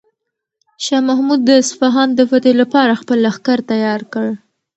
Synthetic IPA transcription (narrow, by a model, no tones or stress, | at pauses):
ʃɑmaɦmud̪ːəsfaɦɑnd̪əfat̪elapɑɾaxpəlaxkaɾt̪ajɑɾkəɽ